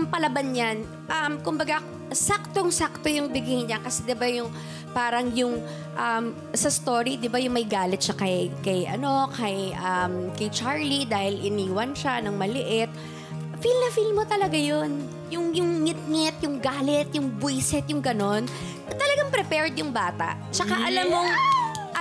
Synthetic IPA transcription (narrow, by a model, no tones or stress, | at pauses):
mpɐlɐbɐnɲan | ʔɐmkʊmbɐɡa | sak̚t̪oŋsak̚t̪o̞jʊŋbɪɡɪŋɲakɐsɛd̪ɪbajʊŋ | paːɾɐŋjʊŋ | ʔɐm | sɐst̪oɾid̪ɪbajʊŋmɐjɡaːlɪt̪̚ʃakɐjkɐjʔɐ̰no̞kʰɐjʔɐmkɐjt͡ʃaɹlid̪aːhɪlɪniːwɐnʃanɐŋmɐlɪʔɪt̪̚ | filnɐfilmot̪ɐlɐɡajon | jʊŋjʊŋŋɪt̪̚ŋɪt̪jʊŋɡaːlɛt̪jʊŋbʊjsɛt̪̚jʊŋɡɐno̞n | t̪ɐlɐɡaŋpɾɛpɛɹd̪jʊŋbaːt̪ɐ̰ʔt͡ʃɐkaʔɐlamːoŋ